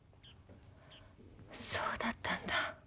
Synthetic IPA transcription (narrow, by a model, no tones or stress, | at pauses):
soːd̪at̪ːãnd̪a